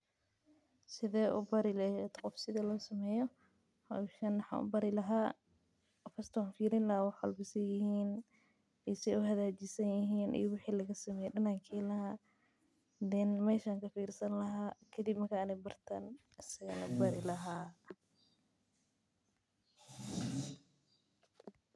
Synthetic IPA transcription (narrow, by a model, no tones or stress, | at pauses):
sɪðɛːʔʊ̰bɐɾɪlɛjɛd̪qɔfsɪðɛlɔːsɐmɛːjɔ | hɔʃanwɑħɑ̰ʔʊ̰bɐɾɪlɐɦaː | fɐst̪ʰwaːnfiːɾɪnlɐhaːwɑħwɐ̰lbɪsɐjɪhiːn | ɛsɛʊɦɐðaːt͡ʃɪsɐnjɪɦiːnʔḭjɔwʊħiːlɐɣɐsɐmɛːjɛɗɐnaːŋkʰɛːlɐha | d̪ɛnmɛːʃaːŋkɐfiːrsɐnlɐɦaːkʰɐd̪ibmɐkʰaːnɛbɐrt̪ʰaːn | ɪsɐɣɐlɐ̰bɐɾɪlɐɦaː